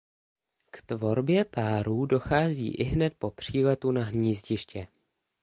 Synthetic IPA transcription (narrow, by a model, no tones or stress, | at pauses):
kt̪vo̞ɾbjɛpaːɾuːdo̞xaːzḭːʔɪɦnɛt̪̚po̞pr̝̥iːlɛt̪unaɦɲiːzɟɪʃcɛ